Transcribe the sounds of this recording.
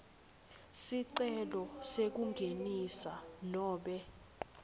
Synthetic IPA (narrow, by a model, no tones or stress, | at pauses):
siǀɛlɔsek̬uŋɡʱenisalɔːɓɛ